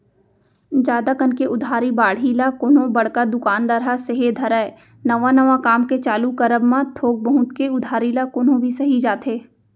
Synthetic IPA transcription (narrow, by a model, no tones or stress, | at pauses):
d͡ʒaːd̪akɐnkeʔʊd̪ʱaːɾibaːɽ̤ilakoːnõbɐɽ̤kad̪ʊkaːnd̪əɾaseɦed̪ʱɐɾaːe | nɐʋanɐʋakaːmket͡ʃaːlukəɾəbmãt̪ʰoːɡ̚bəɦʊ̃t̪keʊd̪ʱaːɾilakoːnõbʱisɐɦid͡ʒaːt̪eː